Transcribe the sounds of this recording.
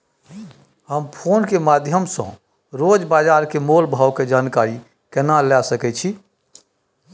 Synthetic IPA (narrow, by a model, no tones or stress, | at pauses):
həmpʰonkemad̪ʱjəmsɔ̰̃ | ɾod͡ʒbad͡ʒaɾkemolbʱawked͡ʒaːnkaɾi | kənalasəkɛt͡ʃʰi